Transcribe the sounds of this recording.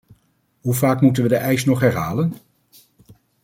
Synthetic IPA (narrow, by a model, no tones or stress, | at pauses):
ɦuvaːkmutənʋədəʔɛjsnɔχɦɛɹɦaːlən